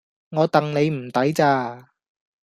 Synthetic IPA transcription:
ŋɔː˨˧t̪ɐ˨ŋne˨˧jm̩˨˩t̪ɐ˨˥jt͡saː˧

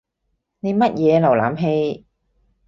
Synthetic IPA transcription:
ne˨˧jmɐ˥t̚jɛː˨˧lɐ˨˩wla̰ː˨˥mɦe˧j

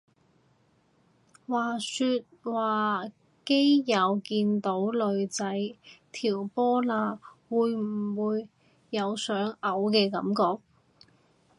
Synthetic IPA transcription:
waː˨˩syː˧t̚waː˨˩ | ke˥jjɐ˨˧wkiː˧nt̪o˨˥wlɵ˨˧ɥt͡sɐ˨˥jt̪ʰiː˨˩wpɔː˥laː˧wuː˨˧jm̩˨˩wuː˨˧jː | ɐ˨˧wsœː˨˥ŋɐ˨˥wkɛː˧kɐ˨˥mkɔː˧k̚

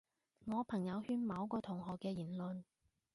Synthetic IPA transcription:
ŋɔː˨˧pʰɐ˨˩ŋjɐ˨˧whyː˧nmɐ˨˧wkɔː˧t̪ʰʊ˨˩ŋɦɔː˨˩kːɛː˧jiː˨˩nlɵ˨n

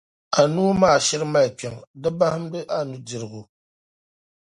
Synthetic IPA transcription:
a˨nu˦maː˦˨ʃɪ˦ɾɨ˦ma˦i˨pɛ˨ŋdɨ˦ba˦hɨ˦m̩˦dɨ˦ʔa˦nu˦dɪ˨ɾɨ˨ɡʊ˨

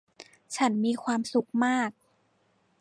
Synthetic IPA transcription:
t͡ɕʰa˦˥nmiː˧kʰwaː˧msu˨˦k̚maː˥˩k̚

